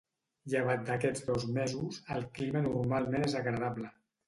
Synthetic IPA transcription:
ʎəβ̞at̪̚d̪əkɛd͡zd̪ɔzmɛzuzəlˠklimənurmalˠmenezəɣɾəðaβlə

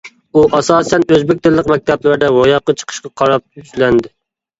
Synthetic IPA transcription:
uʔɑsɑːsɛnøzbɪk̚ʲt̪ʰɪlːəqmɛk̚ʲt̪ʰɛblæɾd̪ɛwojɑqːɑt͡ʃʰə̥qʰə̥ʃqɑqʰɑɾɑp̚yt͡ʃlɛnd̪ɪ

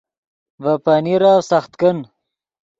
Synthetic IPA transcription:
vapaniɾaːwsaxt̪kən

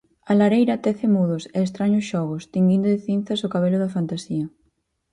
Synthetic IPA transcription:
alaɾejɾɐt̪ɛθɪmuðʊsɛːst̪ɾaɲʊsʃɔɣ̞ʊst̪iŋɡind̪ʊðɪθin̟θɐsokaβelʊðɐfant̪asiɐ

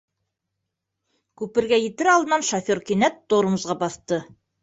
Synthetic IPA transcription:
kʉpɘ̆ɾɡæjɘ̆t̪ɘ̆ɾɑlˠd̪ɤ̆nɑnʃofʲoɾkinæt̪ːoɾɤ̆mɤzʁɑbɑθt̪ɤ

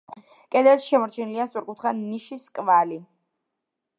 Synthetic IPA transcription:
kʼɛd̪ɛsʃɛmɔɾt͡ʃʰɛniliast̪sʼuɾkʼut̪ʰχaniʃiskʼvali

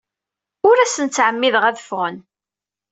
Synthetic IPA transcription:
ʊɾæsənt͡sːʕəmːiðʁæðəfʁən

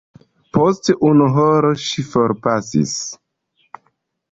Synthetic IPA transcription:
posteʔunuɦoɾoʃifoɾpasḭs

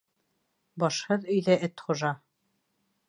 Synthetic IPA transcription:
bɒʃhɤðɵ̆jðæʔɘt̪χŭʒɑ

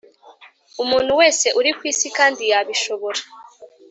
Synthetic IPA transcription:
umuːn̥huwe̞ːse̞ʔuɾikwiːsikaːndijaβiʃo̞βo̞ɾa

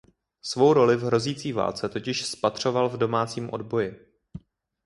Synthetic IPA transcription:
svo̞wɾo̞lɪvɦɾo̞ziːt͡siːva̰ːlt͡sɛt̪o̞cɪʃspat̪r̝̥o̞valvdo̞maːt͡siːmʔo̞dbo̞jɪ

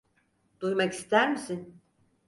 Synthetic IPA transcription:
d̪̥ujmaki̥st̪ʰæɾmisin

